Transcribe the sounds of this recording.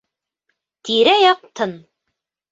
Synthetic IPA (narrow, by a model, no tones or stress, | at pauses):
t̪iɾæjɑq̚t̪ʰɤn